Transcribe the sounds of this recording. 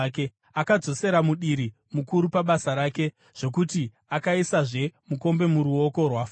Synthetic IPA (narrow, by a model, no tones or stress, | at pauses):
ke | akad͡zo̞se̞ɾamuɗiɾi | mukuɾupaɓasaɾaːke̞ | ʐ̥o̞k̬uti | akaisaʐe̞muko̞mbe̞muɾuo̞ko̞rwaːf